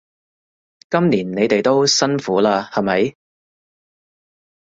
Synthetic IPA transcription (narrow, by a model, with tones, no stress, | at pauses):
kɐ˥mniː˨˩nne˨˧jt̪e˨jt̪o˥wsɐ˥nfuː˨˥laː˧hɐ˨mɐ˨˥j